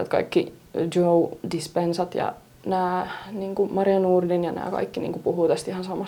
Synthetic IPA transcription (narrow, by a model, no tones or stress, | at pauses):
æ̰t̪kɑ̰ikːid͡ʒoudispensɑt̪jɑ̰ | næːniːŋkumɑriɑnuːrdinjɑnæ̰ːkɑ̰ikːinḭːŋkupuhuːt̪æst̪ihɑnsɑmɑs